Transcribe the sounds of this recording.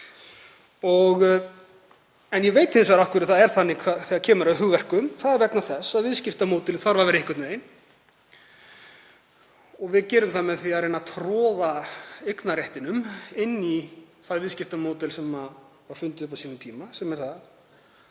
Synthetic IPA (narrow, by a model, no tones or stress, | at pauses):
ɔɣ | ɛnjɛveːjt̪ɪnsvaɾahkvʏɾɪθaðɛɾ̥θanːɪkʰaθɛacʰɛːmʏɾaðɦʏɣvɛr̥kʏmθaðɛɾvɛknaθɛsaðvɪðscɪft̪amowt̪ɪlɪθaɾvaɾvɛɾɪɪhkʏt̪vejn | ɔɣvɪðcɛːɾʏmθamɛθiaðrejnat̪ʰɾɔːðaejknarjɛht̪ɪnʏmɪnːiθaðvɪðscɪft̪amowt̪ɛlsɛma | vaɾ̥fʏnt̪ɪðʏp̬asiːnʏmt̪ʰiːmasɛmɛɾ̥θaθ